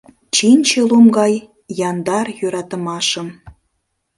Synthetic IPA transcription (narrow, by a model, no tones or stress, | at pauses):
t͡ɕinʲt͡ɕelumɡɑj | jɑnd̪ɑrjøɾɑt̪ə̆mɑʃəm